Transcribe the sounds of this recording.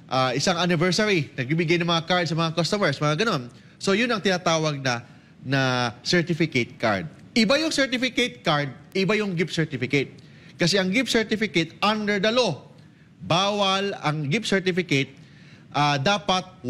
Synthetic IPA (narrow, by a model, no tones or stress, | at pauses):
ʔaːʔɪsaŋanɪvɛɹsaɾinɐɡ̚biːbɪɡajnɐŋmɐŋakaɹd̪̚sɐmɐŋakɐst̪omɛɹsmɐŋaɡɐno̞n | so̞jʊnɐŋt̪ɪnaːt̪aːwɐɡ̚nɐ | nɐsɛɹt̪ɪfɪket̪̚ka̰ɹd̪̚ | ʔɪbajʊŋsɛɹt̪ɪfɪkɛt̪̚kaɹd̪̚ʔɪbajʊŋɡɪpsɛɹt̪ɪfɪkɐt̪̚ | kɐsɛʔɐŋɡɪp̚sɛɹt̪ɪfɪkɛt̪ʔand̪ɛɹd̪ɐlo̞ | baːwɐlɐŋɡɪpsɛɹt̪ɪfɪkɛt̪̚ | ʔaːd̪aːpɐt̪̚